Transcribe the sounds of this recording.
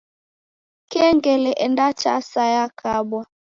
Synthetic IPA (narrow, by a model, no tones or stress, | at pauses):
kɛŋɡɛlɛʔɛndat͡ʃa̰sajakʰabwa